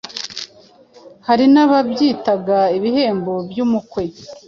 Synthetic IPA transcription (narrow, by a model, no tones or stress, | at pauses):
haɾinaβabjiːtaɡaiβihe̞ːmbo̞bjuːmukwe̞